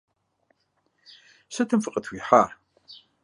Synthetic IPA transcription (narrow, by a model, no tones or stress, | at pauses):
sɐt̪ʰɨmfɨqʼət̪ʰwiħar